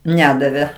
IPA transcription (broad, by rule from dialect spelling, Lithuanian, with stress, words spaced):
ˈnʲæːdɐʋʲeː